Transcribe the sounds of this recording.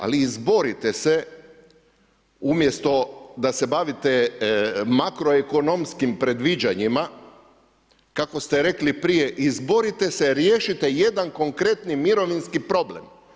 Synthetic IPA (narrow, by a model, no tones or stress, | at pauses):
a̰liːzbo̞ɾit̪e̞se | umje̞st̪o̞d̪ase̞baʋit̪e | makɾo̞eko̞nomskimpɾe̞d̪ʋid͡ʑaɲima | kako̞st̪e̞ɾe̞klipɾije̞ʔizbo̞ɾit̪e̞seɾjeːʃit̪eje̞d̪anko̞ŋkɾe̞t̪nimiɾo̞ʋinskipɾo̞ble̞̰m